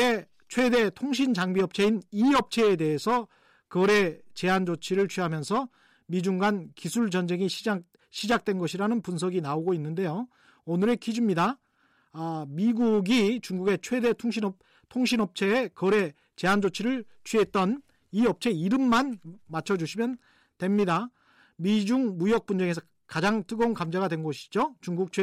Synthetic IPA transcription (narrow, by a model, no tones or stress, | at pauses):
e | t͡ɕʰwe̞de̞tʰoŋɕ̬ʰind͡ʑaŋbiʌp̚t͡ɕʰe̞iniʌp̚t͡ɕʰe̞ːde̞ɦesʰʌ | kʌɾe̞t͡ɕe̞ɦand͡ʑot͡ɕʰiɾɯɭt͡ɕʰiɦamjʌnsʰʌ | mid͡ʑuŋɡankisʰuɭd͡ʑʌnd͡ʑe̞ŋiɕʰia | ɕʰid͡ʑak̚t͈we̞nɡʌɕʰiɾanɯnpuns̬ʰʌɡinaoɡoinːɯnde̞jo | onɯɾe̞kid͡ʑimɲida | miɡuɡit͡ɕuŋɡuɡe̞t͡ɕʰwe̞de̞ŋɕʰin | tʰoŋɕʰinʌp̚t͡ɕʰe̞ːkʌɾe̞ | t͡ɕe̞ɦand͡ʑot͡ɕʰiɾɯɭt͡ɕʰie̞t͈̚ʌn | iʌp̚t͡ɕʰe̞iɾɯmːanmat͡ɕʰʌd͡ʑuɕʰimjʌn | twe̞mɲida | mid͡ʑuŋmujʌk̚p͈und͡ʑeŋe̞s̬ʰʌ | kad͡ʑaŋtʰɯɡʌunkamd͡ʑaɣadwe̞nɡʌɕʰi̥d͡ʑot͡ɕuŋɡuk̚t͡ɕʰe